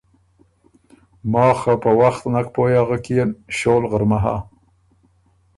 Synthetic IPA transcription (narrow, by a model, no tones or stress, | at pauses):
mɑːxapəwaxt̪nakpojaɣəkijenʃolɣəɾmaɦa̰